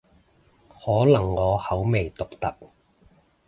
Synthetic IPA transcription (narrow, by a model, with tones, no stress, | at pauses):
hɔː˨˥lɐ˨˩ŋːɔː˨˧hɐ˨˥wme˨jt̪ʊ˨k̚t̪ɐ˨k̚